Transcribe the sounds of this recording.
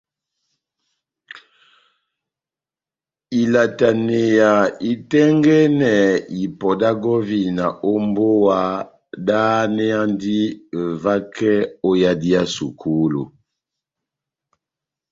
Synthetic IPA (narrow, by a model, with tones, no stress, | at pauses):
i˨la˨ta˨ne˨ja˨i˨tɛ˦ŋɡɛ˦nɛ˨i˨pɔ˨da˦ɡɔ˦vi˨na˨o˦mbo˦wa˦ | da˦nɛ˦a˦ndi˦˨va˦kʰɛ˦o˦ja˦di˦a˦su˨kʰu˦lṵ˨